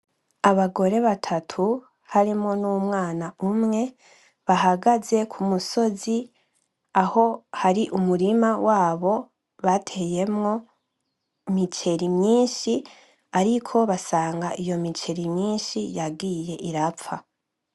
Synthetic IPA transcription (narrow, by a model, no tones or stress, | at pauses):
aβaɡo̞ɾe̞βatʰatʰu | haɾimŋonuːmŋaːnaumŋe̞ | βaɦaɡaze̞kʰumuso̞zi | aho̞haɾiʔumuɾimawʔaːβo̞ | βatʰe̞je̞mŋo̞ | mit͡ʃe̞ɾimɲiːnʃi | aɾikʰo̞βasaːŋɡaʔijo̞mit͡ʃe̞ɾimɲiːnʃijaɡiːje̞ʔiɾafa